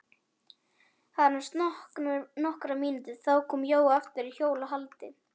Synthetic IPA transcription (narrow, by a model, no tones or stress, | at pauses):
haðɾnast̪nɔnɔhkɾamiːnnt̪ɪθawkʰɔːmjoːwaft̪ɪɾiçjoːwlaɦalt̪ɪ